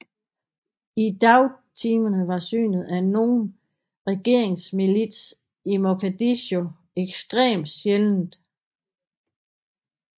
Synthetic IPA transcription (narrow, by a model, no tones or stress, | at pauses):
id̥ɑ̈ʊt͡sʰiːmɐnəʋɑ̈sy̰ːnð̞̩ˠæno̝ːn̩ | ʁɛɡ̥e̝ɐeŋsmilid̥s | imokʰæd̥iɕo̝ | eɡ̥sd̥ʁḛːmd̥ɕeln̩d̥